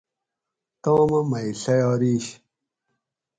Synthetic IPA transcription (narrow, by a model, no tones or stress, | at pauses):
t̪õːmɐmɐiɬɐjɑːɾiːɕ